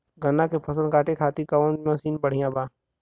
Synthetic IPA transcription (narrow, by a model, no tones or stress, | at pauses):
ɡɐnãkepʰɐs̬əlkaːʈekʰaːt̪ikaonmasiːnbəɽ̤ijãbaː